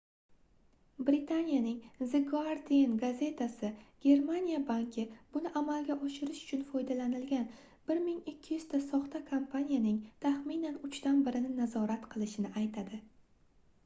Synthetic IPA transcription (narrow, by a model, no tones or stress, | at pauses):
bɾɪt̪ʰanijanɪŋzɪɡoaɾd̪ienɡaze̞t̪ʰasɪɡ̥ʲe̞ɾmanijabaŋkʲʰɪb̥ʊnɪʔamalɡʲaʔɒʃɪɾɪʃʊ̥t͡ʃʰʊnfɒjd̪alanɪlɡʲan | b̥ɪɾmɪŋɪkʲʰːɪjʏz̥t̪ʰasɒχt̪ʰakʰampʰanʲijanɪŋt̪ʰaχminanʊt͡ʃʰt̪anbɪɾɪnɪnazɒɾat̪qʰɨlˠɪʃɪnɪʔajt̪ʰad̪ɪ